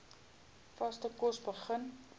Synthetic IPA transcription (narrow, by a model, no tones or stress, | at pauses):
fɐstəkɔsbəχən